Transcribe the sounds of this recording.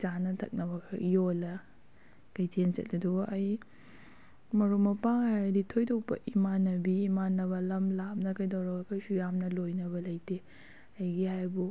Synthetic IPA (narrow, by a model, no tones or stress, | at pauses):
t͡ʃanɐtʰɐ̰k̚nɐbɐkʰɐ̰jolɐ | kɐjtʰent͡ʃɐ̰t̚nɐduɡʔɐj | mɐɾumɐpaŋhajjɐditʰojtʰowpɐ̰ʔimanɐbiːmanːɐβɐlɐmlap̚nɐkɐjdɐwɾɐɡɐkɐjsujamnɐlojnɐβɐlɐjte | ɐjɡihajbu